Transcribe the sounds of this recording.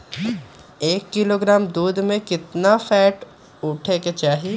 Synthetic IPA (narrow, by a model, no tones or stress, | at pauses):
eːkːɪloːɡɾaːmd̪uːd̪mẽkɪt̪nafɛːʈ | ʊʈʰeket͡ʃaːɦi